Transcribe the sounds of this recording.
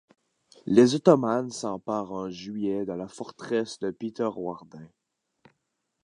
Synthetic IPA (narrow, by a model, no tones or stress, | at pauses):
lezɔt̪ɔmansɑ̃paːʁɛ̃ʒɥijɛd̪əlafɔʁt̪χɛsd̪əpit̪œʁwaʁd̪ɛ̃